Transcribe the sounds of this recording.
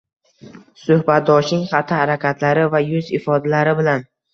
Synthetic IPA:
sʊhbat̪̚d̪ɒʃnɪŋχat̪ʰːɪhaɾakʲʰat̪ʰlaɾɪvajʊzɪfɒd̪alaɾɪbɪlan

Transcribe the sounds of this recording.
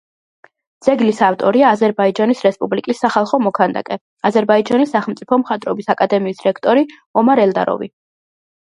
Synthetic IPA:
d̪z̥ɛɡlisaft̪ʼɔɾiaːzɛɾbaid͡ʒanisɾɛspʼublikʼisːaχalˠχɔmɔkʰand̪a̰kʼɛ | azɛɾbaid͡ʒanisːaχɛlˠmt̪sʼipʰɔmχat̪ʼɾɔbisakʼad̪ɛmiːsɾɛkʰt̪ʼɔɾi | ɔmaɾɛld̪a̰ɾɔ̰vḭ

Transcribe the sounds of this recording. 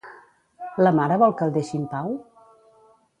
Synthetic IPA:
ləmaɾəβɔlˠkəlˠd̪eʃimpaw

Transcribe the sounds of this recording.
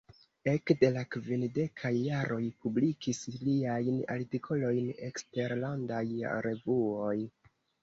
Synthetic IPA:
e̞kde̞lakvinde̞kʰajːaɾʔo̞jpublikisliajna̰ɾtikʰo̞lo̞jne̞kste̞ɾlandaj̰ɾe̞vuo̞j

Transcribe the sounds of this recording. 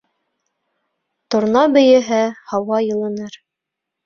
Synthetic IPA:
t̪ŏɾnɑbɘ̆jɘ̆ɦæhɑwɑjɤ̆lˠɤ̆nɤɾ

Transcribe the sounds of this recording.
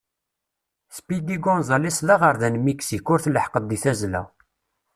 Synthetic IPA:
spid̪iɡɔnzˤɑlisˤðɑʁəɾðænmiksikʊɾθləħqəd̪ˤːiθæzlæ̰

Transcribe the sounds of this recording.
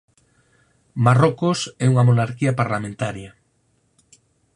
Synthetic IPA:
marokosɛuŋamonaɾkiɐpaɾlamẽnt̪aɾja

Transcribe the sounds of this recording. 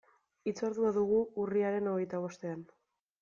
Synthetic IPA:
it͡saɾðuaðuɣ̞uuriaɾe̞no̞ɣ̞e̞jt̪aβ̞o̞st̪e̞an

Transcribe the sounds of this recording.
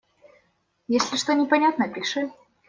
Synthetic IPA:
jesʲlʲɪʂt̪onʲɪpɐnʲat̪nəpʲɪʂɨ

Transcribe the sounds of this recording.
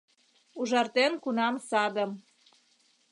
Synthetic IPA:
uʒɑrt̪enkunɑmsɑd̪ə̆m

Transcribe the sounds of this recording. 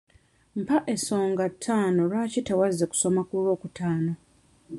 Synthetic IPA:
m̩paʔe̞so̞ːŋɡatʰːaːno̞lwaːcitewazːe̞ku̥so̞makulo̞ːkutaːno̞

